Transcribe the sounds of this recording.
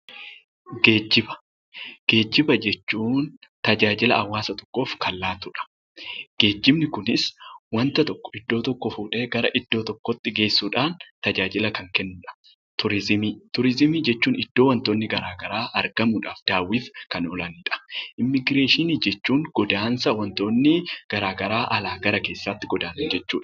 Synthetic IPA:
ɡe̞ːd͡ʒːɪbɐ̥ | ɡ̥e̞ːd͡ʒːɪbɐd͡ʒɛt͡ʃːuːnt̪ɐd͡ʒaːd͡ʒɪlɐʔɐwːaːsɐt̪ɔ̥kːo̞ːfkɐlːaːt̪ʊᶑɐ̥ | ɡ̥e̞ːd͡ʒːɪbnɪkʊnɪswɐnt̪ɐt̪ɔkːɔ̥ɪd̪ːo̞ːt̪ɔkːɔfuːᶑeːɡɐɾɐʔɪd̪̥ːo̞ːt̪ɔkːɔt̪ːɪɡe̞ːsːuːᶑaːnt̪ɐd͡ʒaːd͡ʒɪlɐkɐŋkɛnːʊᶑɐ̥ | t̪ʊɾɪzɪmiːt̪ʊɾɪzɪmiːd͡ʒɛt͡ʃːuːnɪd̪̥ːo̞ːwɐnt̪oːnːɪɡɐɾaːɡɐɾaːʔɐɾɡɐmʊᶑa̰ːfd̪̥aːwiːfkɐnɔlɐniːᶑɐ̥ʔɪmːɪɡɾe̞ːʃɪnid͡ʒɛt͡ʃːuːŋɡ̥ɔd̪aːnsɐwɐnt̪o̞ːnːɪɡ̥ɐɾaːɡɐɾaːʔɐlaːɡɐɾɐke̞ːsːaːt̪ːɪɡɔd̪aːnɐnd͡ʒɛt͡ʃːuːᶑɐ

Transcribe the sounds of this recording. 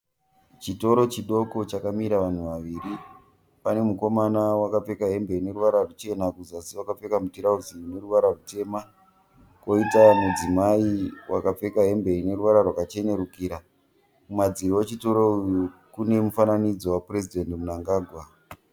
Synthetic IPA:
t͡ʃito̞ɾo̞t͡ʃiɗo̞ko̞t͡ʃakamiɾaʋan̤uʋaʋiːɾi | pane̞muko̞manawakap͡fe̞kaɦe̞mbe̞ine̞ɾuʋaɾarut͡ʃe̞nakuzasiʋakap͡fe̞kamutiɾauzine̞ruʋaɾarute̞ːma | ko̞itamud͡zimaiwa̰kap͡fe̞kaɦe̞mbe̞ine̞ɾuʋaɾarwakat͡ʃe̞ne̞ɾukiːɾa | mumad͡zirowet͡ʃito̞ɾo̞ujukune̞mufananid͡zo̞wapre̞zidʱe̞ndmunaŋɡaːɡʱwa

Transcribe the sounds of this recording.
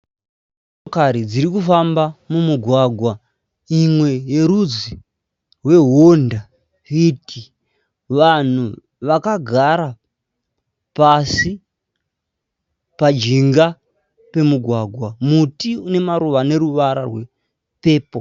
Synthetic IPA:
kaɾid͡ziɾikufambamumuɡʱwaɡʱwa | imwe̞je̞ɾud͡zi | rwe̞ɦonda | iti | ʋan̤u | ʋakaɡʱaɾa | pasi | pad͡ʒiŋɡa | pe̞muɡʱwaɡʱwamutiune̞maɾuʋane̞ɾuʋaɾa̰rwe̞ | pe̞ːpo

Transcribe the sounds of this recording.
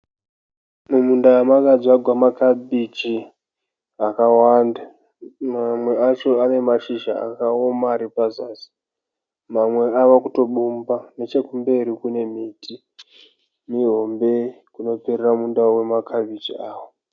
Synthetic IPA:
mumundawamakad͡ziaɡʱwamakaɓid͡ʒi | akawanda | mamwe̞at͡ʃo̞ane̞maʃiʒa̰a̰kaomaːɾipazaːsi̥ | mamwe̞aʋakuto̞ɓumbane̞t͡ʃe̞kumbe̞ɾikune̞mitʰi | miɦo̞mbe̞ | kuno̞pereramundaowe̞makʰaɓʱid͡ʒiaːwo

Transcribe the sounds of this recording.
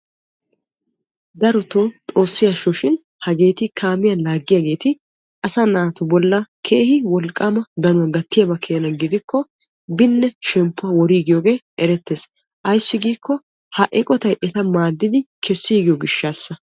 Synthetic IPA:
d̪ɐɾɔt̪ot̪ʼo̞ːsːɪjaʃɔʃɪn | hɐɡe̞ːt̪ɪkʰaːmɪjɐlaːɡːɪjaɡe̞ːt̪ɪ | ʔɐsanaːt̪ʊbɔlːɐkʰe̞ːhɪwɔlkʼːaːmɐd̪ɐnʊwɐɡɐt̪ːɪjabɐkʰeːnɐnɡɪd̪ɪkʰːɔ | bɪnːɛʃɛmpːʊɐwɔɾiːɡɪjoːɡe̞ːʔɛɾɛt̪ːeːs | ʔɐjsːɪɡiːkʰːɔ | hɐʔɛkʼɔt̪ɐjʔɛt̪ɐmaːd̪ːɪd̪ɪkʰɛsːiːɡɪjɔɡɪʃːaːsːɐ

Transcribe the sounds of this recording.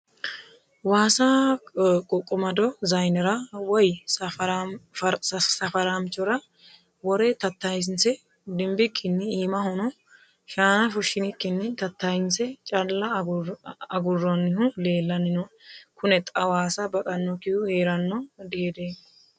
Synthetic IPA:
waːsɐ | kʼɔkʼːɔmɐd̪ɔzɐjnɛɾɐwɔj | sɐfɐɾamt͡ʃːɔɾɐ | wɔɾɛt̪ɐt̪ːɐjs̬ɪnsɛ | d̪ɪmbɪkʰːɪnːɪiːmɐhɔnɔ | ʃaːnɐfʊʃɪnɪkːɪnːɪt̪ɐt̪ːajɪnsɛt͡ʃʼɐlːɐ | ɐɡʊrːɔnːɪɦʊle̞ːlːɐnːɪnɔkʰʊnɛt̪ʼɐwaːsɐbɐkʼɐnːɔkɪjʊheːɾɐnːɔd̪ɪhed̪e

